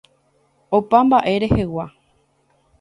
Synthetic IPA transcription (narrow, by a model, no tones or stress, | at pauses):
opambaʔe̞ɾe̞he̞wa